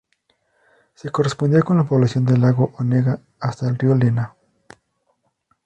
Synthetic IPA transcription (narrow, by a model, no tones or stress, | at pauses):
se̞ko̞respo̞nd̪iako̞nlapoβlasjo̞nd̪e̞laɣo̞ʔoneɣaː | st̪aelriolena